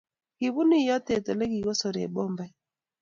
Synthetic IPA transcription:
ki˨βu˦ni˦jɔ˦tɛ˨tɔ˨lɛ˦ki˨ɣɔ˦sɔ˨ɾḛ˨ɓɔ˦mba˦

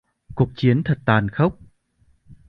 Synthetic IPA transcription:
ku˨˩ək̚t͡ɕi˨˦ənt̪ʰə˨˩t̚t̪aː˨˩nxə˦˥wk͡p̚

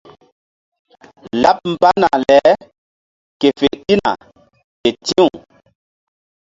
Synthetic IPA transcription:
la˦p̚m̩˨pa˦na˨lɛ˨˦ | ke˨fe˨ʔɗi˦na̰˨ | e˨tĩ˦u˨

